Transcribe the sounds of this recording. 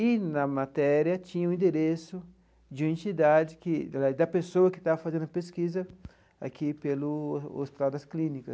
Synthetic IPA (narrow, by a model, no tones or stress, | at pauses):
inɐmat̪ɛɾjɐt͡ʃĩɲɐũĩnd̪eɾesu | d͡ʒũẽnt͡ʃid̪ad͡ʒɪkid̪ɐpesowɐkɪ̥t̪afazẽnd̪ʊpeskizɐ | a̰kipeluost̪ɾad̪ɐsklĩnikɐs